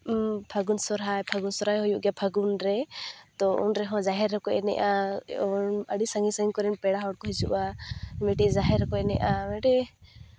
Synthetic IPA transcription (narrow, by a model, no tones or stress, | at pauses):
pʰaɡunsɔɾɦajpʰaɡunsɔɾajɦɔjuʔɡjapʰaɡunɾɛt̪ɔṵnɾɛɦɔ̃d͡ʒaɦɛɾːɔkɔʔɛnɛ̰ʔaɔnəɽisaŋisaɡiɲkɔɾɛnpɛɽaɦɔɽkɔɦisuʔamɛʈiʔd͡ʒaɦɛɾɔkɔɛnɛ̰ʔamɛʈɛ